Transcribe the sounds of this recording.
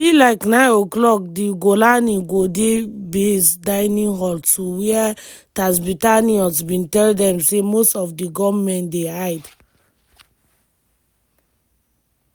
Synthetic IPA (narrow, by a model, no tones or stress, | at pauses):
ilaɪknãɪ̃noklɔk̚diɡolaniɡodebesdaɪnĩŋɦɔltuwiɛtas̬bitaniɔsbĩntɛldɛ̃msemostɔfdiɡɔvmɛ̃ndehaɪd